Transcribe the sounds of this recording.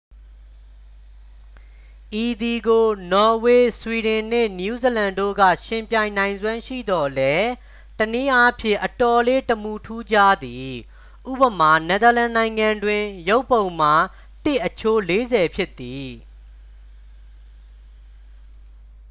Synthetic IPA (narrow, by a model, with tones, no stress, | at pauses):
ʔi˨d̪i˨ɡo˨nɔ˨we˨swi˨ɾɪ̃˨n̥ɪ˦˨nju˦zi˨lã˨ndo̰˦˨ɡä̰˦˨ʃɪ̃˨mpjã˨ɪ̃nã˨ɪ̃nzwã˦ʃḭ˦˨d̪ɔ˨lɛ˦ | təni˦ʔa˦pʰjɪ̰̃˦˨ʔətɔ˨le˦təmu˨tʰu˦d͡ʑa̰˦˨d̪i˨ | ʔṵ˦˨pə˨ma˨nɛ˨d̪ə˨lã˨nã˨ɪ̃ŋã˨ndwɪ̃˨jo˦ʊpːõ˨ʊ̃ma˨ | tɪ˦˨ʔːət͡ɕʰo˦le˦zɛ˨pʰjɪ˦t̪ːi˨